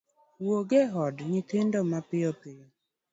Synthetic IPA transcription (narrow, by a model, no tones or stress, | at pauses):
woɡeɦɔdɲiten̩dɔmapɪjɔpɪjɔ